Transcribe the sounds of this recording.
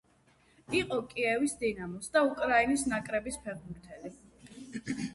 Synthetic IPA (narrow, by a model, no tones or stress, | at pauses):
iqʼɔkʼiɛvisd̪inamɔsd̪aukʼɾainisnakʼɾɛbispʰɛʁbuɾt̪ʰɛli